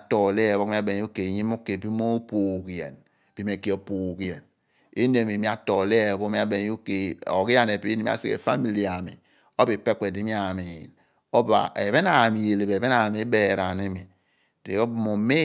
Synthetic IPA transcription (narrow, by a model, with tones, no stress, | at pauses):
tɔ˨le˦˨βo˦kmi˦a˦be˨˦o˦ke˨ɲi˦mo˦ke˨bi˦mo˦poː˨ki˨jḛ˨n | bi˨m˨e˨ke˦o˨po˨ki˨jɛ˨n | e˦ne˨mi˨mi˦a˦to˨le˦˨bo˦i˦a˦be˨n˦o˦ke˨o̰˨ki˦ja˦ne˨pi˦i˦i˦a̰˦sḭ˦ḛ˨fa˦mi˨li˨a˨mḭ˨ | o˦bi˨pe˦k͡pe˨di˨˦mi˦a˦˨a˨me˨jḭ˨n | o˦ba̰˨ʔḛ˨βe˦na˨mi˨je˨le˨be˨be˦na˨me˦be˨ɾa˨ne˦mi˨ | d̥ḛ˨o˦bmo˨me˦